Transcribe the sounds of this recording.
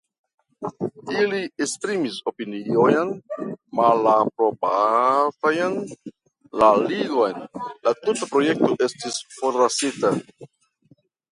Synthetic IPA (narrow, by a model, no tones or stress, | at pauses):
iliespɾimiso̞piniojnmalapɾo̞batajn | laliɡo̞jnlatutapɾo̞je̞k̚to̞ʔe̞stisfo̞ɾɾasita